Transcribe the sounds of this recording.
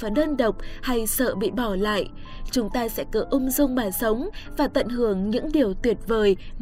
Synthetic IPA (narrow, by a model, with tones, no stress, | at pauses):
vaː˨˩ɗəː˧nɗə˨˩wk͡p̚ha˧jsə̰ː˧˨ɓḭ˧˨ɓɔ˧˩la̰ː˧˨jʔ | t͡ɕʊ˨˦ŋ͡mt̪aː˧sɛ̰˧˥kɨ˨˩ʔʊ˧ŋ͡mzʊ˧ŋ͡mɓaː˨˩sə˨˦wŋ͡mvaː˨˩t̪ə̰˧˨nhɨ˧˩əŋɲɨ̰˧˥ŋɗi˨˩əwt̪wi˨˩ət̚vəː˨˩j